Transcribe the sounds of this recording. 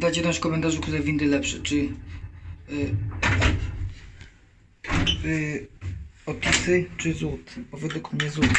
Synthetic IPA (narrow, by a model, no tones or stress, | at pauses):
d̪at͡ɕɛd̪ɔ̃ɕfkɔmɛnt̪aʐukt̪uɾɛvʲind̪ɘlɛpʂɛt͡ʂɘ | ɔpʲisɘt͡ʂɘzut̪pɔvɛd̪ukmɲɛzut̪